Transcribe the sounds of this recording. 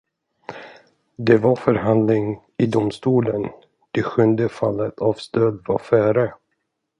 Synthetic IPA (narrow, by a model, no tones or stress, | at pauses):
d̪ɛvaɾfœɾɦand̪lɪŋ | ɪd̪ʊmst̪uːlən | d̪̥ɛɧɵnd̪əfalːət̪ʰavst̪øːd̪va̰ɾfœːɾə